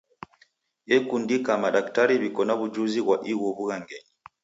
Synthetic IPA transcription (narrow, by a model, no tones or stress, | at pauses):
ɛkundikamaɗaktaɾiβikɔnaβud͡ʒuziβwaʔiwɔβuɣaŋɡɛɲi